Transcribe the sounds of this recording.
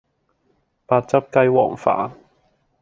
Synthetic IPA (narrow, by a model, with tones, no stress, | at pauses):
paː˧t̚t͡sɐ˥p̚kɐ˥jwɔ̰ː˨˩ŋfa̰ː˨˥